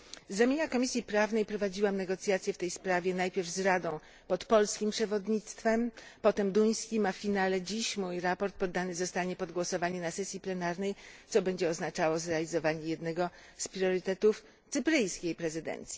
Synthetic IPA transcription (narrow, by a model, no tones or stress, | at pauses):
zːamʲeɲakɔmʲisʲipɾavnɛjpɾɔvad͡ʑiwamnɛɡɔt̪sʲjat̪sʲjɛft̪ɛjspɾavʲjɛnajpʲjɛɾvzɾad̪ɔ̃w̃ | pɔt̪pɔlskʲimpʂɛvɔd̪ɲit̪st̪fɛmpɔt̪ɛmd̪uj̃skʲimafːʲinalɛd͡ʑiɕmujɾapɔɾt̪̚pɔd̪ːanɘzɔst̪aɲɛpɔd̪ɡwɔsɔvaɲɛnasɛsʲjiplɛnaɾnɛjt̪sɔbɛɲd͡ʑɛɔznat͡ʂawɔzɾɛalʲizɔvaɲɛjɛd̪nɛɡɔ | spɾʲjɔɾɘt̪ɛt̪uf | t̪sɘpɾɘjskʲejpɾɛzɘd̪ɛ̰nt̪sʲji